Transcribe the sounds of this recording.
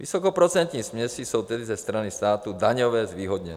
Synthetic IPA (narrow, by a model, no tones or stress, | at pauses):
ʋḭsɔkɔpɾɔt͡sɛnt̪ɲiːsmɲɛsisuʊt̪ɛd̪izɛst̪ɾanist̪aːt̪ud̪aɲɔʋɛːzʋiːɦɔd̪ɲɛ̰